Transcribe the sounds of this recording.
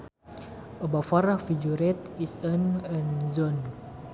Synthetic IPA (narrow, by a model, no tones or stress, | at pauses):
ʔəbafaɾahfid͡ʒuɾɛt̪̚isənənzɔn